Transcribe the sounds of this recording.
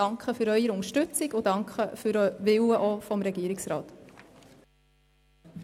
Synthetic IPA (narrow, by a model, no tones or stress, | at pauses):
ɑŋkχəfʏɾœʏəɾʊŋəʃtʉt͡sikʊdɑŋkχəfyɾʋɪwəʔɔfɔmɾɛɡ̥iəɾiksɾɑ̰ːt̪